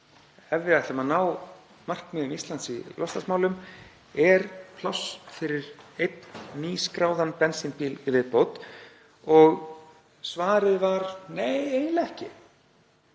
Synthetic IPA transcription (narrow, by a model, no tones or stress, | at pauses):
ɛvːɪðaθɛmanaːw | mar̥kmɪðʏmist̪lant̪silɔst̪asmaːwlʏm | ɛɾpʰlɔsfɪɾɪɾejt̪n̥niːskɾaːwðanpɛnsinpiːlɪvɪðpowt̪ | ɔɣ | svaːɾɪðvaɾnejejnlɛhcɪ